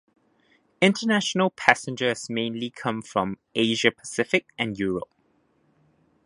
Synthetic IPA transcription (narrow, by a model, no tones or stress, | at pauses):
ɪ̃ntənæʃənəlˠpʰæsɪ̃nd͡ʒəsmẽɪ̃nlikʰʌ̃mfɹɔ̃m | eɪʒəpʰə̥sɪfɪk̚ɛ̃njuːɹəp̚